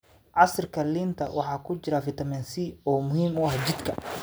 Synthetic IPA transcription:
ʕɑsrkʰɐliːnt̪ʰɐ̰wɑħɑːkʰʊt͡ʃɪɾafɪt̪ʰɐmɛnsiɔːmʊhiːmʊɑhd͡ʒɪd̪kʰɐ

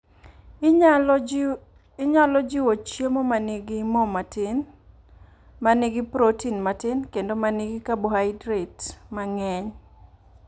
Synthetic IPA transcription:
ɲalɔd͡ʒɪwot͡ʃjemomanɪɡɪmɔmatɪn | maniɡɪpɾotinmatɪnkendomaniɡɪkabohaɪdɾetmaŋɛɲ

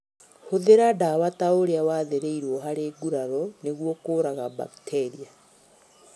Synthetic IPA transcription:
hoðeɾadawataoɾeawaːðeɾeiɾwɔɦaɾeːɡuɾaɾɔneɣwɔkoɾaɣaba̰ktʰɛɾia

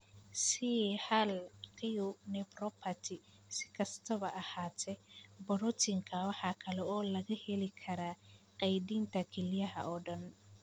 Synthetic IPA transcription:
sihɐlqɪjʊnɛprɔpʰɐt̪ʰɪ | sɪ̥kʰɐst̪ʰɐβɐʔɐhaːt̪ʰɛbɔɾɔt̪ʰɪŋkʰɐwɑħɑkʰɐlɛɔːlɐɣɐhɛlɪkʰɐɾaːqɛjdiːnt̪ʰɐkʰɛlɪjɐɦɐ̰ʔɔːɖɐn

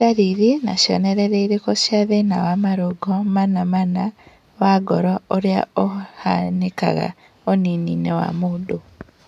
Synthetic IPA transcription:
aɾiɾinaʃo̰neɾeɾeiɾekosjaðeinawamaɾoɡomanamana | waɡoɾooɾja̰ohaneka̰ɣa̰ | oniniːnewa̰mudo

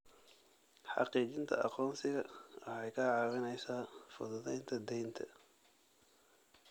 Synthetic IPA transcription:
ħɑ̰qiːt͡ʃɪnt̪ʰɐ̰ʔɑ̰qɔːnsɪɣɐɐɛjkʰɐʕɑːβɪnɛjsaːfʊ̰ðɐðɛjnt̪ʰɐd̪ɛjnt̪ʰɐ̰

